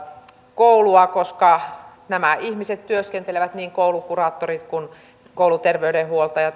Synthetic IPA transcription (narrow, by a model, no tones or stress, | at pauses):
kouluɑkoskɑ | næmæʔihmiset̪t̪yøskent̪eleʋæt̪niːŋkoulukurɑːt̪ːorit̪kun | koulut̪erʋeydehuolt̪ɑjɑ